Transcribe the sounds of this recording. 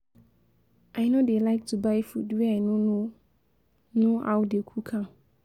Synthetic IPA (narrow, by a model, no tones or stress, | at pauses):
ʔaɪnodelaɪk̚tʰubaɪfṵdwɛaɪnõno | nõawdekʰukʰãm